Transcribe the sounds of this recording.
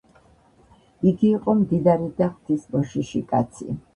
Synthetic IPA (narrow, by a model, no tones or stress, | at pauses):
iɡiːqʼɔmd̪id̪aɾid̪aχt̪ʰisbɔʃiʃikʼat̪sʰḭ